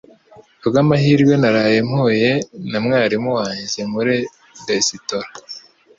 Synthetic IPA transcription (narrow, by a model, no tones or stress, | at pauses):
bɡamaɦiːɾɡwe̞naɾaːje̞mhoje̞namŋaːɾimuwaːɲzemuɾe | desitoɾa